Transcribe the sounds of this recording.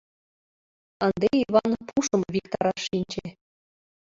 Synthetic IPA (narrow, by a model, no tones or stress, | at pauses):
ɤnd̪eiβɑnpʰuʂɤ̆mvʲikt̪ɑɾɑʃːinʲd͡ʑe